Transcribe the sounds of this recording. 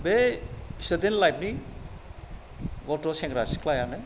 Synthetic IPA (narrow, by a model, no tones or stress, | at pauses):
besɯd̪enlajp̚ni | ɡɔtɔseŋɡɾaskʰlajanɯ